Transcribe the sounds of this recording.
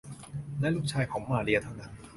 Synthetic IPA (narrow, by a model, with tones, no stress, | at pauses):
lɛː˦˥lu˦˥k̚t͡ɕʰaː˧jkʰɔː˨˩˦ŋmaː˧˩li˧ɐt̪ʰa˦˥˩wna˦˥n